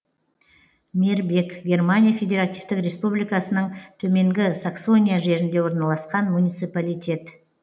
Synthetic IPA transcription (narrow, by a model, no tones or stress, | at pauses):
meɾbe̞kɡʲe̞rmanʲijafʲe̞d̪ʲeɾat̪ijft̪ɪkɾʲe̞spublijkasənəɴt̪ʰɵme̞ŋɡʲɪsakso̞nʲijaʒe̞ɾɪnd̪e̞wo̞ɾnɑlˠɑsqɑnmunʲijt̪sɨjpalʲijt̪ʲe̞t̪